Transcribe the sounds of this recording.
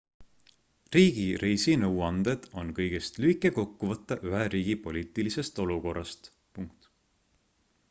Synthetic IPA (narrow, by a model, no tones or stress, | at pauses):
riːɡ̥iɾejsinɤwɑnd̪̥e̞d̪̥o̞nkɤjɡ̥est̪lyikːˑeko̞kːuvɤt̪ːˑɑʔyɦeɾiːɡ̥ipo̞lʲiːt̪ˑilise̞st̪o̞luko̞rːɑst̪ | puŋk̚t̪